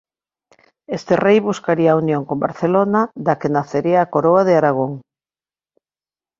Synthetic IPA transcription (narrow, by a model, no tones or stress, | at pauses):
est̪erejβuskaɾiaunjoŋkomba̰ɾθelonad̪akenaθeɾiaːkoɾoaðeaɾaɣ̞oŋ